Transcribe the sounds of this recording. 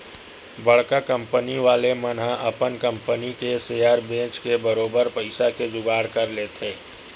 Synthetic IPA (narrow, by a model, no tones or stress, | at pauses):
bɐɽ̤kakɐ̃mpəniʋaːlemɐnɦãʔɐpənkə̃mpənikesejaːɾbẽːt͡ʃkebəɾoːbəɾpɐɪsaked͡ʒʊɡaːɽkɐɾleːt̪ʰeː